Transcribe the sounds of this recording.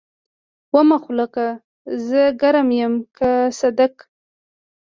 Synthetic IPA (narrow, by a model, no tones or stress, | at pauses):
wamaxlaka | zəɡaɾamjəmkasad̪ak